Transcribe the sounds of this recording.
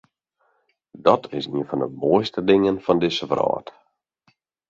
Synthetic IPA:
dɔtʰɪsiənfɔndəmoəjstədɪŋənfɔndɪsəʋrɔ̰ːt

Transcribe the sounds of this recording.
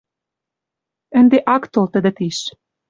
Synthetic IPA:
ə̆nd̪eʔɑkt̪olˠt̪ə̆d̪ə̆t̪iʃ

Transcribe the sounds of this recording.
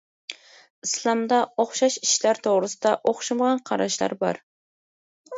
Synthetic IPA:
ɨslˠɑmd̪ɑoχʃɑʃiʃlaɾt̪ʰoʁɾɨsɨd̪ɑʔoχʃɨmʁɑnqʰɑɾɑʃla̰ɾbɑ̰ɾ

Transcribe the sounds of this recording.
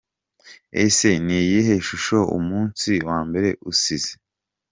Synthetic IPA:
ḛse̞niːjiɦeʃuʃoṵmuːnsiwaːmbe̞ɾe̞ʔusize

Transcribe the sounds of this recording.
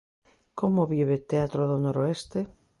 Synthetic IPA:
komoβiβet̪eat̪ɾoðonoɾoest̪e

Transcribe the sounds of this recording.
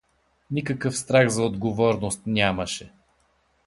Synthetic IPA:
nikəkəfst̪ɾaɣzɐod̪ɡovɔɾnost̪nʲaməʃɛ

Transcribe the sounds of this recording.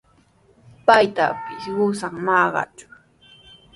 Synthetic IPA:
pajt̪a̰pɪsɢʊsaŋnɑɢɑ̰t͡ʃʊ̥

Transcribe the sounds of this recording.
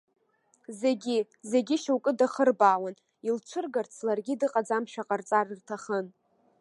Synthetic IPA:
zeɡʲi | ze̞ɡʲiʃawkʼɨdaχərbaːwan | ilt͡ʃʷʰɨrɡart͡sʰlarɡʲidɨqʼad͡zamʃᶣaqʼart͡sʼarɨrtʰaχən

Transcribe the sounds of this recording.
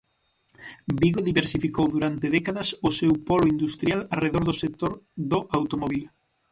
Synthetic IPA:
biɣoðiβeɾsifikowðuɾant̪eðɛkaðɐsʊsewpɔloind̪ust̪ɾjalareðoɾðʊsek̚t̪oɾðʊʔawt̪omɔβil

